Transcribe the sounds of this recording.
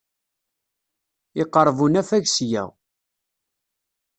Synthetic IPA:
ɪqəɾˤːvunæfæʝsjæ̰w

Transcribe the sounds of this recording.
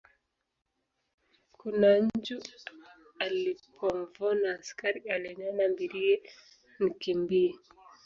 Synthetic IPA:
kunaɲd͡ʒu | alipʰɔɱvɔnaːskaɾialɛɲanambiɾiɛ | nikimbiɛ

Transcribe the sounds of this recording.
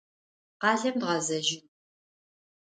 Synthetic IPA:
qɑːɮɐmdʁɐzɐʒɪn

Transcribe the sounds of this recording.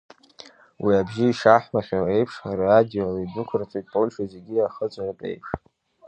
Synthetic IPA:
wiabʒɪiʂaħmaχʲae̞jpʰʂaɾaadiolaidʷʊkʷʰrt͡sʷʼijtʼpʼolʲʃazeɡʲiaχət͡sʷʼanɨpʼḛjpʰʂ

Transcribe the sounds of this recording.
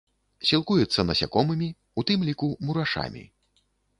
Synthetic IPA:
sʲilˠkujɛt̪sːɐnɐsʲa̰kɔmɨmʲi | ut̪ɨmlʲikumuɾaʂa̰mʲḭ

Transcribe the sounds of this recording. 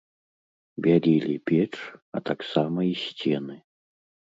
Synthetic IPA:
bʲalʲilʲipʲɛt͡ʂɐt̪aksamɐisʲt͡sʲɛnɨ

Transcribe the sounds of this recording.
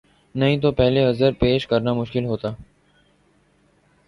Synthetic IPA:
nɐɦĩːt̪̬oːpɛɦleəzəɾpeːʃkəɾnaːmʊʃkɪlɦoːt̪aː

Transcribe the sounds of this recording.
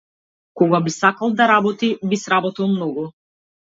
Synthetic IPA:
kɔɡabisakalˠd̪aɾabɔt̪ibisɾabɔt̪ilˠmnɔɡu

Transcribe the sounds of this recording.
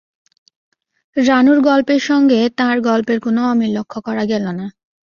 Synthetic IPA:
ɾanuɾɡɔlpeɾʃɔŋɡet̪ãɾɡɔlpeɾkonoɔmilokʰːokɔɾaɡɛlona

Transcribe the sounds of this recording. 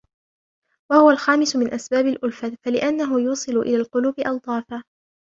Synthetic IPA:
wahʊwalxaːmɪsʊmɪnʔasbaːbalʔʊlfafalɪʔanːaɦʊjuːsˤɨlʊʔɪlaːlqʊluːbɪʔɑwt̪ˤɑːfaː

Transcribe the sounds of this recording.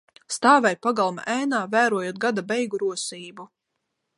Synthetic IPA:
st̪aːvɛjpaɡalˠma̰ʔæjnaːvæːɾuɔjuɔt̪̚ɡad̪abɛjɡuɾuɔsiːbu

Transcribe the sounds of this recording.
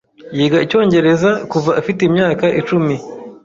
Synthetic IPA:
jiːɡaico̞ːɲɟe̞ɾe̞zakuvaːfitemɲaːkaʔit͡ʃumi

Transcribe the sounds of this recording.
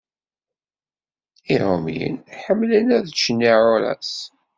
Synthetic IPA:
iɾomjə̰nħəmːlənæðt͡ʃːnːiʕʊɾæ̰s

